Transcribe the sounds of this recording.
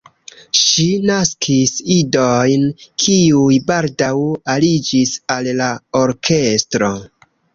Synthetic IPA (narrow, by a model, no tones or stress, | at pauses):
ʃinaskʰisidojnkʰiujbaldawalid͡ʒisallaoɾkʰe̞stɾo̞